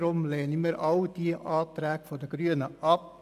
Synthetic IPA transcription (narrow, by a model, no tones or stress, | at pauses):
ɾʊmleːnəmiːɾʔɑwd̥iʔɑːtɾæːkfɔdəɡ̥ɾyənəʔɑp̚